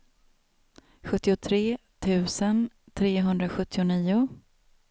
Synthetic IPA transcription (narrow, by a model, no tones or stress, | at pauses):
ɧɵt̪ːɪʊt̪ʰɾeː | t̪ʰʉ̟ːsən | t̪ʰɾeːɦɵnd̪ɾaɧɵt̪ʰːɪʊniːʊ